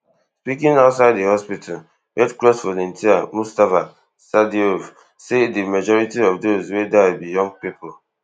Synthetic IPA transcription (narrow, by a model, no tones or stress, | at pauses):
spikɪ̃ŋaʊtsaɪddihɔspitʰal | wɛtklɔsfɔlɔ̃ntʰiamustafa | sadiov | sedimad͡ʒɔɹitiɔvdozwedabijɔ̃ŋɡ̚pipɔl